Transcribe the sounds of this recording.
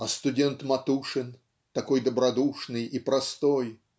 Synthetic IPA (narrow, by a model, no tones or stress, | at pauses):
ɐst̪ʊdʲent̪mɐt̪uʂɨn | t̪ɐko̞jd̪əbɾɐd̪uʂnɨjipɾɐst̪o̞j